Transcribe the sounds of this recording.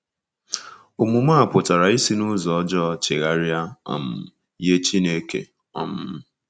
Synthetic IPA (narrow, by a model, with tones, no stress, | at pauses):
u˨mu˨ma˦˨pʊ˨ta˨ɾa˨i˦si˦nʊ˦zɔ˨ɔ˦d͡ʒɔ˦t͡ʃe˨ɣa˦ɾja˦ɔ̰˨m̩˨ | je˦t͡ʃi˦ne˦kḛ˨ | ɔ˦m̩˦